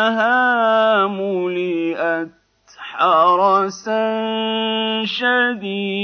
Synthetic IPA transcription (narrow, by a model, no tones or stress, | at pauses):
ɦaːmʊliʔat̪ | ħɑɾˤɑsa | ʃad̪iː